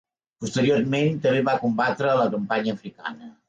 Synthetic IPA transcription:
pust̪əɾiorment̪əmbeβakumbat̪ɾələkəmpaɲəːfɾika̰nə

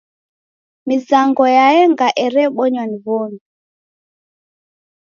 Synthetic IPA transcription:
mizaŋɡɔjajɛŋɡaʔɛɾɛɓɔɲwanivɔni

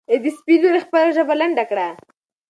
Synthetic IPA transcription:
ed̪ispiloɾexpəlaʒəbalaɳɖakɽa

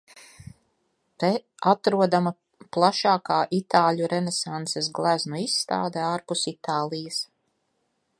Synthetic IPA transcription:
t̪ɛ | at̪ɾuɔd̪ama | plˠaʃaːkaːʔit̪aːlʲuɾɛnɛsant̪ses̬ɡlˠæznuisːt̪a̰ːd̪eaːɾpusit̪aːlˠijɐs

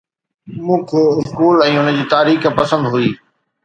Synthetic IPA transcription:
mũːkʰɪskuːlɛ̃ːʊnəd͡ʑiːt̪aːɾiːxəpɐsə̃nd̪ɦʊiː

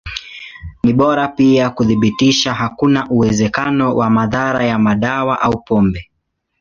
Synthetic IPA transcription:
niɓɔɾapiakuðiɓitiʃaɦakunaʔuwɛzɛkanɔwʔamaðaɾajamaɗawaʔaupɔmbɛ

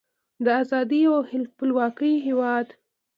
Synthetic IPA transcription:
d̪əazɑd̪iawhɪlpəlwɑkəjɦewɑd̪

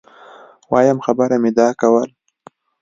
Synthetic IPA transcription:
wɑjamxabəɾamɪd̪ɑkawəl

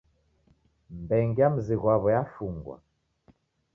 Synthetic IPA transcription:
mbɛŋɡiam̩ziɣwaβɔjafuŋɡwa̰

